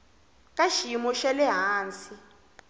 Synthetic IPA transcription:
kʼaʃimɔʃɛlɛɦaːnt͡si

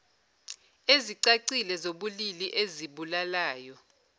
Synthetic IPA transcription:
eziǀaǀilɛzoɓuliliʔeziɓulalaːjɔ

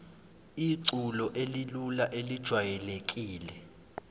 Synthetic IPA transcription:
iǀulɔʔelilulaʔelid̥ʒ̥ʱwajɛlek̬ʼiːlɛ

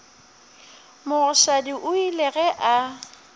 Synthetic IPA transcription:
mʊɣʊʃadiʔʊilɛɣɛʔa

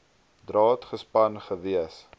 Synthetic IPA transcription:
drɑːtχəspɐnχəviəs

